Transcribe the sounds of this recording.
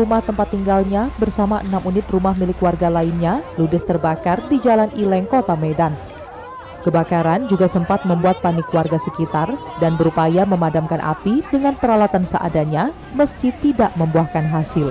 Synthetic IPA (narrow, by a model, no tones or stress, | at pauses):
rumaht̪əmpat̪ːiŋɡalɲabərsamaʔənamunɪt̪̚rumahmilɪkwarɡalainɲaludəst̪ərbakardid͡ʒalanilɛŋkot̪amedan | kəbakaɾand͡ʒuɡasəmpat̪̚məmbuat̪̚panɪkwarɡasəkit̪ar | danbəɾupajaməmadamkanʔa̰pidəŋanpəɾalat̪ansəʔa̰daɲa | məskit̪idaʔməmbuahkanɦasɪl